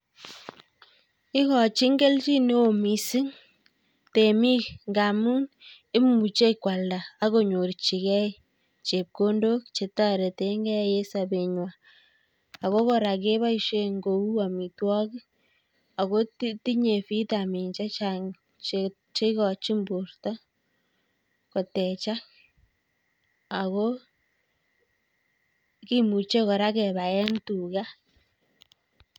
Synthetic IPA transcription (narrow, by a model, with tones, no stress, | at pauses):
ɪ˦kɔ˨t͡ʃi˦ŋɡɛ˦lt͡ʃi˦ne˦o˨mi˨si˦ŋ | te˨mi˦kŋɡa˨mu˦n | ɪ˦m˦u˨t͡ʃe˦kwa˨ldaː˨˦ko˦ɲo˨ɾt͡ʃi˨kɛ˦ | t͡ʃe˨p̚ko˦ndo˦k̚t͡ʃe˨ta˦ɾe˨te˨˦ŋɡɛ˦˨je˦sa˨be˨ɲwa˨ | a˨ko˦kɔ˨ɾa˨k̬e˦βa˦i˨ʃe˦ŋɡo˨u˦a˨mi˨twɔ˦k | a˨ɣo˦tti˦ɲe˨fi˦ta˨mi˨ɲt͡ʃa˦t͡ʃa˨ŋ | t͡ʃ | t͡ʃe˦ɣɔ˨t͡ʃi˦mbu˨ɾta˦ | ko˨tɛ˨t͡ʃa˦ | a˨ɣo˦ | ki˦mu˨t͡ʃe˦kɔ˨ɾa˦kɛ˨βa˨jɛ˦ntu˨ɣa˦